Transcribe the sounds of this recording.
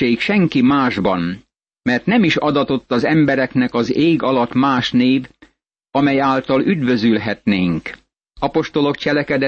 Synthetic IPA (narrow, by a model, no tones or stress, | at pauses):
eːkʃɛŋkimaːʒbɒn | mɛrt̪nɛmiʃɒd̪ɒt̪o̞t̪ːɒzɛmbɛɾɛknɛkɒzeːɡɒlɒt̪maːʃneːv | ɒmɛjaːlt̪ɒlyd̪vø̞zylɦɛt̪neːŋk | ɒpo̞ʃt̪o̞lo̞kt͡ʃɛlɛkɛd̪ɛ